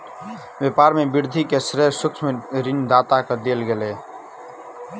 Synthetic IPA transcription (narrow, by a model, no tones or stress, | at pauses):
bepaːɾmebiɾd̪ʱikesɾeɾsʊkt͡ʃʰmeɾind̪aːt̪akəd̪elɡele